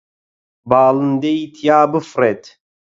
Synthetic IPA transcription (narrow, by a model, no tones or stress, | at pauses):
baːlɨnd̪eit̪ʰijaːbɨfret̪